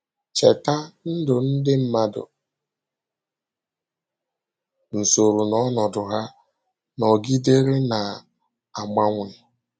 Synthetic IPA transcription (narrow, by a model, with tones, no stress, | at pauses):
t͡ʃe˨ta˦n̩˦dʊ˨n̩˦dɪ˦m̩˦ma˦dʊ̰˨ | n̩˨so˨ɾu˨nɔ˦nɔ˨dʊ˨ɦa˦ | nɔ˨ɡi˦de˦ɾe˦na˨ | a˨ma˦ŋʷɪ˦˨